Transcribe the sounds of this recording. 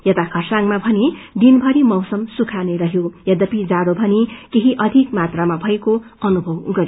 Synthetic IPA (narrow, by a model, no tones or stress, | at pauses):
jʌt̪akʰʌsaŋmabʱʌned̪inbʱʌɾimʌwsʌmsukʰaneɾʌɦjojʌd̪ʌpid͡zaɾobʱʌnekeɦiʔʌd̪ʱikmat̪ramabʱʌekoʌnubʱʌwɡʌɾ